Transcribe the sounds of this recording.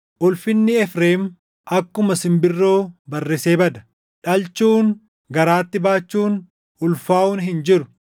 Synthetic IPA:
ʔʊlfɪnːɪɛfɾeːm | ʔɐkːʊmɐsɪmbɪrːo̞ːbɐrːɛseːbɐd̪ɐ̥ | ᶑɐlt͡ʃːuːn | ɡɐɾaːt̪ːɪbaːt͡ʃːuːn | ʊlfaːʔʊːnɦɪnd͡ʒɪɾʊ

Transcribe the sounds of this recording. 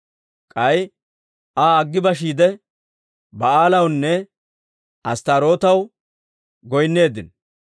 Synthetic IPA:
kʼɐj | ʔaːɐɡːɪbɐʃiːd̪ɛ | bɐaːlɐwnːɛ | ʔɐst̪aːɾo̞ːt̪ɐw | ɡɔjnːe̞ːd̪ɪn

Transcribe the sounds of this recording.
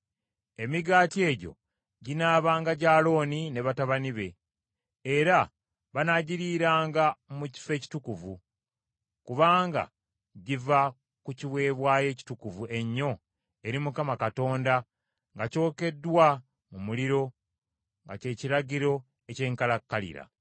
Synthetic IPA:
e̞miɡaːtie̞ːɟo̞̰ | ɟinaːβaːŋɡaɟaːlo̞ːnine̞βataβaniβe̞ː | ɾa | βanaɟiɾiːɾaːŋɡamuci̥fe̞ːci̥tukuvu | kuβaːŋɡa̰ | ɟiva | kuciβwe̞ːβwaːje̞ːci̥tukuvuʔe̞ɲːo̞ | e̞ɾimukamakato̞ːnda | ŋɡaco̞ːke̞dːwa | mumuliɾo̞ | ŋɡa̰ce̞ːciɾaɟiɾo̞ | e̞ce̞ːŋkalakːalḭɾa̰

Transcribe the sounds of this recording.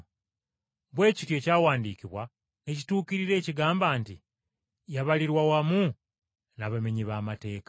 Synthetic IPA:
bwe̞ːcitje̞ːcaːwaːndiːkiβwa | ne̞cituːkiɾiɾe̞ːciɡaːmbaːnti | jaβaliɾwawamu | naβame̞ɲiβaːmate̞ːkḁ

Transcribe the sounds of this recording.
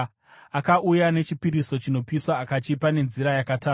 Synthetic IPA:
akaʔujane̞t͡ʃipiɾiso̞t͡ʃino̞piswaːkat͡ʃipane̞nziɾajakataː

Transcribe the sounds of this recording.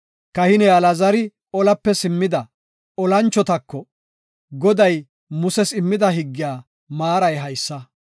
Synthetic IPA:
kɐhɪnɛɐlɐzɐɾɪ | ɔlɐpːɛsɪmːɪd̪ɐ | ɔlɐnt͡ʃːɔt̪ɐkːɔ | ɡɔd̪ɐj | mʊsɛsɪmːɪd̪ɐɦɪɡːɪjaː | maːɾɐjɦɐjsːɐ

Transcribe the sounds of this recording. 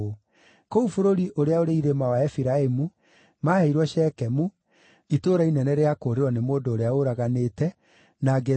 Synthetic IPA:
o | koufoɾoɾiʔoɾeaoɾeiɾemawaɛfiɾaemu | maheiɾwɔʃɛːkɛmu | itoːɾainɛnɛɾeakoːɾeɾwɔnemoːndoːɾeaoɾaɣanetɛ | naɡe

